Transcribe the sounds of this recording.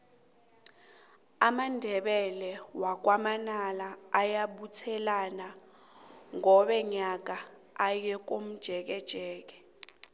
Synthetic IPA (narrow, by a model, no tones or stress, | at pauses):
amandʱɛɓɛlɛwak̬wamanalaːjaɓutʰɛlana | ŋɔɓɛɲak̬aː | jɛk̬om̩d̥ʒ̥ʱɛk̬ɛd̥ʒ̥ʱɛːk̬ɛ̥